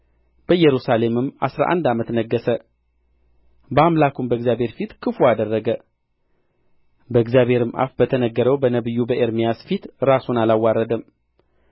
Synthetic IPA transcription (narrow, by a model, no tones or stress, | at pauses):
b̥əjɛɾusale̞mɨma̰sɾa̰ʔa̰nd̪amət̪nəɡːəsə | bəamlakʰumbəɨɡzjabʱhe̞ɾfit̪kʰɨfuad̪ərːəɡə | bəɨɡzjaβhe̞ɾɨmʔa̰fbət̪ʰənəɡːəɾəwbənəβɨjːubəʔeɾmijasfit̪ɾasunalawːaɾəd̪əm